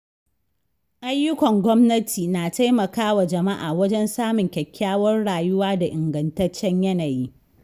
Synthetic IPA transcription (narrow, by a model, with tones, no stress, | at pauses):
ʔa˦jːʊ˦kʷɔ˨ŋɡʷɔ˦mnɐ˦tʰiː˨naː˨ta˦jmɐ˨kaː˦wa˨d͡ʒɐ˨ma˦ʔa̰ː˨wɐ˦d͡ʒɛ˦nsaː˦mʊ˨ŋkʲɛ˨kʲːaː˦wɐ˦rɽaː˨jʊ˦waː˦da˨ʔɪ˨ŋɡɐ˨ntɐ˦t͡ʃːɛ˦ɲjɐ˦naː˨jiː˦